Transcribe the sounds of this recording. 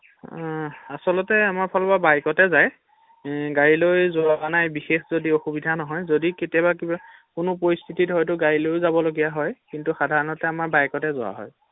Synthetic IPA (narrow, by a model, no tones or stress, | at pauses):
asɔlɔtɛamaɹpʰɔlɔbabajkɔtɛzaj | ɡaɹilojzʊabanajbixexzodioxubidʱanɔɦɔjzodiketijɔbakibakʊnʊpɔɹist̪ʰititɦɔjtʊɡaɹilojzabɔloɡijaɦɔjkintuxadʱaɹɔnɔtɛamaɹbajkɔtɛzʊwa̰ɦɔ̰j